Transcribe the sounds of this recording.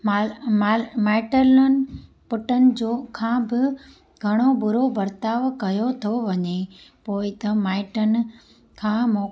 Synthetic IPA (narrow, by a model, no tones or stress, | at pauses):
mamamaːɪʈələnɪ̆ | pʊʈənɪ̆d͡ʑoːkʰãːbɪ | ɡʱɐɽ̃obʊɾobɐɾt̪aːʋkɐjot̪ʰoʋɐɲepoːɪt̪ɐmaːɪʈənɪ̆ | kʰãːmoː